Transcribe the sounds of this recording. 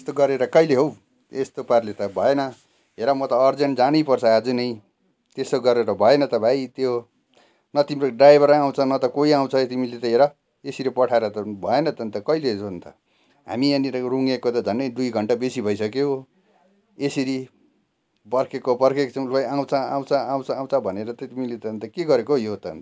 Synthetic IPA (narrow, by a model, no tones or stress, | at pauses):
est̪oɡʌɾeɾʌkʌileɦow | est̪oparlet̪ʌbʱʌenʌ | ɦeɾʌmʌt̪ʌːrd͡zʌɳʈd͡zanʌjpʌrt͡sʰʌːd͡zunʌj | t̪esoɡʌɾeɾʌbʱʌenʌt̪ʌbʱajt̪jo | nʌt̪imɾoɖajbʱʌɾaw̃t͡sʰʌnʌt̪ʌkoiaw̃t͡sʰʌt̪imilet̪ʌɦeɾʌ | esiɾepʌʈʰaeɾʌt̪ʌbʱʌenʌt̪ʌnt̪ʌkʌilesont̪ʰʌ̰ | ɦa̰miʌniɾʌruŋekot̪ʌd͡zʱʌnɖʌjd̪ujɡʱʌɳʈabesibʱʌjsʌkeɦo | eseɾi | pʌrkʰekobʌrkʰet͡sʰʌw̃ʌjaw̃t͡sʰʌaw̃t͡sʰʌaw̃t͡sʰʌaw̃t͡sʰʌbʱʌneɾʌt̪ʌt̪imilet̪ʌnt̪ʌkeɡʌɾekojot̪ʌnt̪